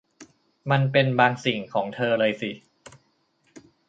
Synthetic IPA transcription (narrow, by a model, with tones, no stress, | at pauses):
ma˧npe˧nbaː˧ŋsi˨˩ŋkʰɔː˩˦ŋt̪ʰɤː˧lɤː˧jsi˨˩